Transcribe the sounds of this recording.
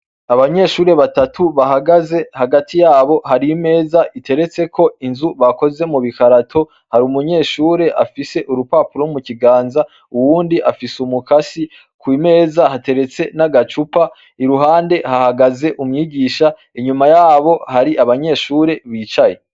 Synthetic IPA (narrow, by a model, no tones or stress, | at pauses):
aβaɲe̞ːʃuːɾe̞βatatʰuβaɦaɡaze̞haɡatijaːβo̞ɦaɾime̞ːzaʔitʰe̞ɾe̞t͡se̞kʰo̞inzuβako̞ze̞muβikaɾatʰo̞ | haɾumuɲe̞ːʃuːɾe̞ʔafise̞ʔuɾupaːpuɾomuciɡaːnza | uwuːndiʔafisumukasi | kwiːme̞ːzahate̞ɾe̞t͡se̞naɡat͡ʃupa | iɾuɦaːnde̞hahaɡaze̞ʔumɲiːɟiːʃa | iɲumajaːβo̞haɾiʔaβaɲe̞ːʃuːɾe̞βiːt͡ʃaje̞